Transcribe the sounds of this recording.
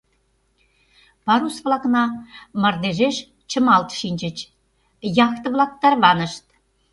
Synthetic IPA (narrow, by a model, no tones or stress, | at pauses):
pɑɾusβlɑknɑmɑrd̪eʒeʃ | t͡ɕə̆mɑlt̪ʃinʲd͡ʑə̆t͡ɕ | jɑxt̪ɤ̆βlˠɑk̚t̪ːɑrβɑnə̆ʃt̪̚